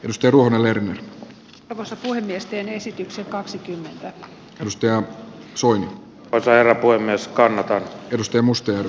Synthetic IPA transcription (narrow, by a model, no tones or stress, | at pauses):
edust̪ɑjɑruohonelerner | rʋosːɑpuhemːiest̪eːnesit̪yksekɑksikymːent̪æ | edust̪ɑjɑsoini | osɑherːɑpuhemːieskɑnːɑt̪ɑnedust̪ɑjɑmust̪ɑjær